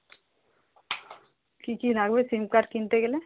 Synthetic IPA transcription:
kikilaːɡbesĩmkaɾkint̪ekele

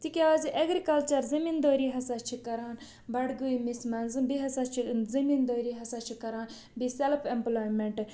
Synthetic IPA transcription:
t̪ikʲeaːziʔɐɡɾikɐlt͡ʃɐɾzɐmind̪oːɾiːɦɐsat͡ʃʰikɐɾaːn | bɐɽɡuimismɐnzɨbiɦɐsat͡ʃʰizɐmind̪oːɾiːɦɐsat͡ʃʰikɐɾaːn | biselpʰemploːjmeɳʈ

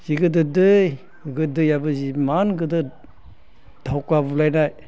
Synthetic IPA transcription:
z̥iɡɯdɯdɯj | ɡɯdɯjabɯzimanɡɯdɯ | d̥ʱawkabulajnaj

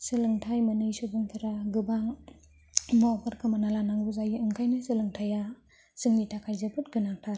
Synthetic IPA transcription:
sɯlɯŋtʰajmɐnɯjsubɯŋkʰiɾaɡɯbaŋ | maapʰɯɾkʰɯmanalanaŋluzajiɯŋkʰajnɯsɯlɯŋtʰaja | sɯŋnitʰakʰajzɐbʰɯt̚ɡɯnaŋ̚tʰaɾ

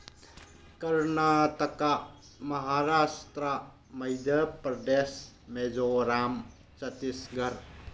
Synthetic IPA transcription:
kəɾnat̪əka | mɐɦaɾaːsʈ̪ɾa | məjd̪ʱjəpɾəd̪es | med͡ʒoɾaːm | t͡ʃɐt̪isɡʱəɾ

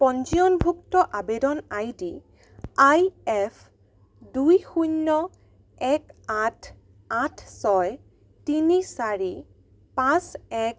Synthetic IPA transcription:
pɔnziɔnbʱuktɔʔabedɔnajdi | ajɛpʰ | dujxunːɔ | ɛkatʰ | atʰsɔj | tinisaɹi | pãsɛk̚

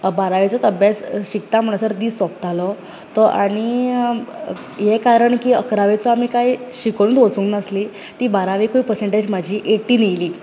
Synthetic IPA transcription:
baɾaʋet͡sɔt̪əbjasɕik̚t̪am̤əɳ̃səɾd̪iːsɔp̚t̪alɔ | t̪ɔʔa̰ɽ̃i | jekaɾəɳkiːəkɾaʋet͡sɔam̤iːkaiɕikɾuːnt̪ʋot͡sũːŋknəsliː | t̪iːbaɾaʋekuipəɾseɳʈed͡ʑmad͡ʑʱiːʔeʈːiːnejliː

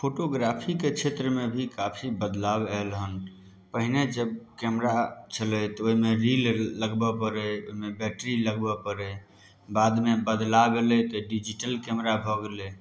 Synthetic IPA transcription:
pʰoʈoɡɾapʰiket͡ʃʰet̪ɾəmebʱikapʰibəd̪labəɦlɦən | pəɦined͡ʒəbkɛmɾat͡ʃʰələt̪ɔoɦimeɾilləɡbəpəɾɛo̰imebɛʈɾiləɡbɔpəɾɛ | bad̪mebəd̪labelɛt̪ɔɖid͡ʒiʈəlkɛmɾabʱəɡelɛ

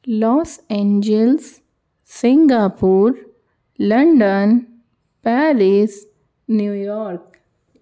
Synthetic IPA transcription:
lɔːsẽnd͡ʒels | sɪ̃ŋɡapuːɾ | lɐ̃ɳɖən | pæɾis | njuːjɔːɾk

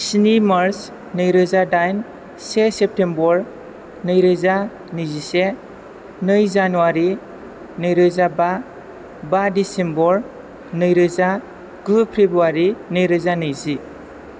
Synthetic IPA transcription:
snimaɾs | nɯjɾɯzadajn | sesep̚tembɔɾ | nɯjɾɯza | nɯzise | nɯjzanuaɾi | nɯjɾɯzaba | badisembɔɾ | nɯjɾɯza | ɡɯpʰɾebuaɾinɯjɾɯzanɯjzi

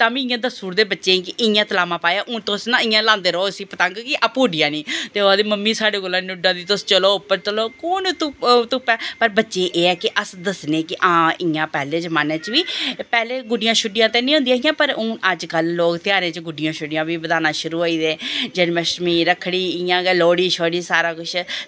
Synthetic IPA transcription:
t̪ãːmĩːɪ̃jãːd̪əsuːɾd̪eːbətːʃẽːkɪʔɪjãːt̪əlaːmãːpaːjaːʔʊ̃ːt̪osnãːɪjãːlãːnd̪eːɾəoːəsĩːpət̪ə̃ŋɡkɪʔəpoːɖɪjãːnĩːt̪eːoãd̪iːməmːiːsaːɖeːkoːlãːnʊɖãːd̪iːt̪ʊst͡ʃəloːʊpːəɾt͡ʃəloːkoːnt̪ʊt̪ʊpɛ̃ːpəɾbətːʃẽːʔeːɛːkɪʔəsd̪əsnẽːkɪʔãːɪjãːpɛːleːd͡ʒəmaːnẽːt͡ʃʋiːpɛːleːɡʊɖɪjãːʃʊɖɪjãːt̪eːnĩːɦʊ̃nd̪ijaːɪjãːpəɾõːəd͡ʒkəlːoːkt̪ɪjaːɾẽːt͡ʃɡʊɖɪjãːʃʊɖɪjãːʋiːbəd̪aːnãːʃʊɾuːɦoːiːd̪eːd͡ʒənməsʈmiːɾəkʰːɽiːɪjãːɡloːɽiːʃʰoːɽiːsaːɾaːkʊt͡ʃʰ

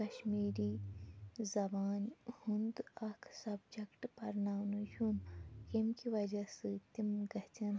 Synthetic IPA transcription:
kɐʃmiːɾi | zɐbaːnhund̪ɐkʰsɐbd͡ʒɐkʈpɐɾnaːwnujunkimkiʋɐd͡ʒɐsɨt̪imɡɐt͡ʃɐn

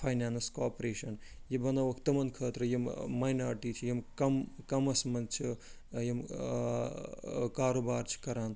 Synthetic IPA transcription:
fʰajnaːnskaːpɾeːʃɐnjibɐnɐʋɐkʰt̪ɐmɐnkʰəːt̪ɾɐjimmajnaːɾʈit͡ʃʰijemkɐmkɐmɐsmɐnt͡ʃʰi | jim | kaːɾoːbaːɾt͡ʃʰi̥kɐɾaːn

